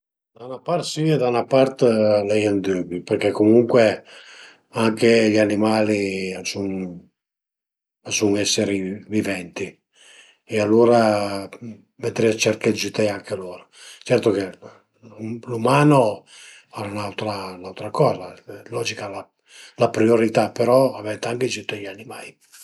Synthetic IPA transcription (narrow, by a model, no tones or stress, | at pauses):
d̪awnapart̪siɛd̪anapaɾt̪lɛjand̪øːbiperkɛkːomuŋkwe | aŋkeʎanimaːliasuŋ | asuŋɛsːeɾivivɛnt̪i | ɛalːuːɾa | mɛt̪ːɾiat͡ʃɛrked͡ʒut̪ɛaŋkʰealoːɾot͡ʃɛrt̪oke | lumaːno | aɾaunawt̪ɾanawt̪ɾakɔːzalɔːd͡ʒikala | lapɾioɾit̪apeɾɔavɛt̪aŋket͡ʃut̪ːiʎanimaːi